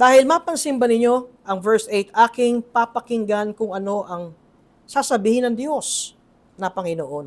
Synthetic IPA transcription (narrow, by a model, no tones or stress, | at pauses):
d̪aːhɪlmapɐŋsɪmbɐnɪɲo̞ʔɐŋvɛɹsʔejt̪ʔaːkɪŋpapɐkɪŋɡankʊŋʔɐno̞ʔɐŋ | saːsɐbiːhɪnɐŋd̪jo̞s | nɐpɐŋɪnoʔo̞n